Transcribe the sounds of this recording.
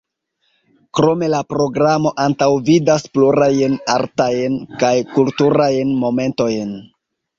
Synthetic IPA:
kɾo̞me̞lapɾo̞ɡɾamo̞ʔantawvidaspluɾajna̰ɾtajnkajkultuɾajnmo̞me̞nto̞jn

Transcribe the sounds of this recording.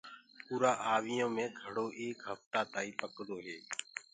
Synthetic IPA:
puːɾaːʔaːʋɪjõːmẽːɡʱəɽoːʔeːkɦəft̪aːt̪aːiːpəkd̪oːɦeː

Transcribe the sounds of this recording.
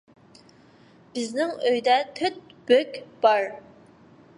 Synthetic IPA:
b̥ɪznɪŋøjd̪ɛt̪ʰøt̪̚b̥økʲb̥ɑɾ

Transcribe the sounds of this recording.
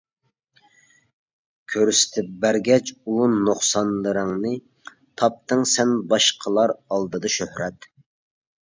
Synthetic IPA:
kʲʰøɾysɪ̥t̪ʰɪp̚bæɾɡʲɛt͡ʃunoχsɑnlˠɨɾɨŋnɨ | t̪ʰɑp̚t̪ʰɨŋsɛnbɑʃqʰəlˠɑɾɑlˠd̪ɨd̪ɑʃøhɾɛt̪

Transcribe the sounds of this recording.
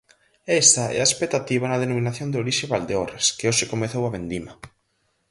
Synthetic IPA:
ɛst̪ɐɛ̰ɐespek̚t̪at̪iβɐnɐð̞enomĩnaθjond̪oɾiʃeβald̪eoɾeskeoʃɪkomeθowɐβend̪imɐ

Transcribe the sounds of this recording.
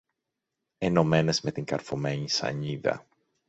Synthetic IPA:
eno̞me̞ne̞zme̞t̪iŋkɐɾfome̞ɲisɐ̰ɲiðɐ̰

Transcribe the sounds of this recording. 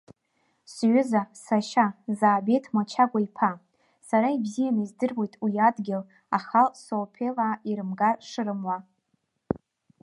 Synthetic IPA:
sɥʏzasaʃazaːbejtʰmat͡ʃʰaɡʷaipʰa | saɾaibzijanizdɨrwe̞jtʼwiiadɡʲɪl | aχalsolpʰelaːiɾɨmɡaʂɨɾɨmwa

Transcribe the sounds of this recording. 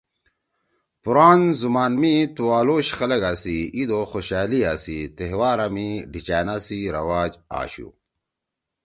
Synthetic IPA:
puɾaːnzumaːnmit̪uwaːloːɕxɐlɐɡaːsiid̪oxoɕaːliaːsit̪eɦwaːɾɐmiɖit͡ɕaːnasiɾɐwaːd͡ʑa̰ːɕṵ

